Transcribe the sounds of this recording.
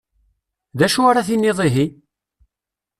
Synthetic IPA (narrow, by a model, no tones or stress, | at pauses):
ðæʃuaɾaθinːiðˤiɦi